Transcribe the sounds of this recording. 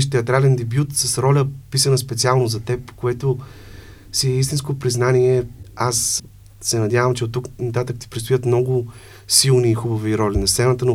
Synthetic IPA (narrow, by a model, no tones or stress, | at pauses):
ʃt̪ɛɐt̪ɾalɛnd̪ɛbʲjut̪sɐsɾɔlʲəpisənɐspɛt̪sialˠnozɐt̪ɛpkoɛt̪o | siɛist̪inskopɾiznaniɛas | sɛnɐd̪ʲjavəmt͡ʃɛot̪ːuknɐt̪at̪əkt̪i̥pɾitst̪ʊjət̪mnɔɡʊ | silˠniːxubɐviɾɔlʲinɐst̪sɛnət̪əno